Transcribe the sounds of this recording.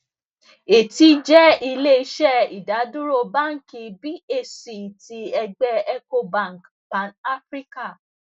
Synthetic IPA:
e˨ti˧d͡ʒɛ˦i˧le˦i˧ʃɛ˦˨i˨da˨˦dũ˦ɾo˦˨ba˦ŋ̩˦ki˧bi˦e˦˨si˨ti˧˦ɛ˧ɡ͡bɛ˧ɛ˧ko˧bã˦˨ŋ˨k | pa˨na˦fɾi˦ka˦˨

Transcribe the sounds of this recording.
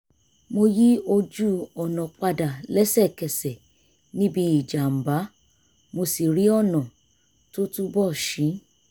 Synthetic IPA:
mo˧ji˦o˧d͡ʒu˦ɔ˨nɔ̃˨k͡pa˧da˨lɛ˦sɛ˦˨kɛ˨sɛ˨ | nĩ˦bi˧i˨d͡ʒa˨m̩˨ba˨˦ | mo˧si˨ɾi˨˦ɔ˦˨nɔ̃˨ | to˦tu˦bɔ˦˨ʃĩ˨˦

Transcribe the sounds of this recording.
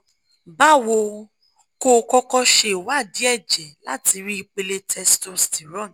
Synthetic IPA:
ba˦wo˧ | ko˦˧kɔ˦kɔ˧ʃe˧˨wa˦˨di˨˦ɛ˦˨d͡ʒɛ˨la˦ti˧ɾi˦i˧k͡pe˧le˧˦tʰɛ˧sto˧sti˨ɾɔ̃˦˨n˨

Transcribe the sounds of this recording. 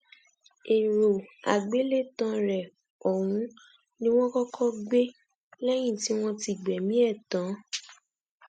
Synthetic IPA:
e˨ɾo˨a˨ɡ͡be˨˦le˦˨tã˧ɾɛ˨ | o˨wũ˨˦ | nĩ˦w̃ɔ̃˦kɔ˦kʰɔ˦ɡ͡be˦ | lɛ˦j̃ĩ˦˨ti˨˦w̃ɔ̃˦ti˧˨ɡ͡bɛ˨mĩ˨˦ɛ˦˨tã˨˦

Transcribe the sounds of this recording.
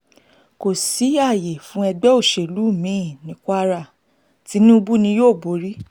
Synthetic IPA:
ko˨si˨˦a˦˨je˨fũ˨˦ɛ˧ɡ͡bɛ˦o˦˨ʃe˨lu˨˦˨mĩ˨˦˨nĩ˨˦kʷa˧ɾa˦˨ | ti˨˦nĩ˦u˧bu˦nĩ˧joː˦˨bo˨˦ɾi˦

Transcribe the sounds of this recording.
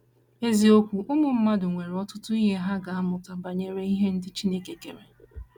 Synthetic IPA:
e˦zi˨o˦kʷu˨ʔʊ˦mʊ˨m̩˦ma˦dʊ˨ŋʷe˨ɾɔ˦tʊ˦tʊ˦i˦ɦe˦ɦa˦ɡa˨a˦mʊ˨ta˨ba˨ɲe˨ɾe˦i˦ɦe˦n̩˦dɪ˦t͡ʃi˦ne˦ke˨ke˨ɾe˨

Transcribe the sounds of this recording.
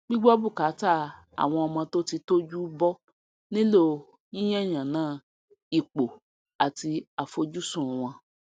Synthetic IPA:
ɡ͡bi˦ɡ͡bɔ˦bu˦˨ka˨˦ta˦˨ | a̰˨w̃ɔ̃˧ɔ˧mã˧to˦ti˧to˦d͡ʒu˦bɔ˦ | nĩ˦lo˦˨ | jĩ˦j̃ɛ̃˦˨j̃ã˨nãː˦ | i˨k͡po˨ | a˨ti˧a˨fo˧d͡ʒu˦sũ˦˨ũ˨w̃ɔ̃˧

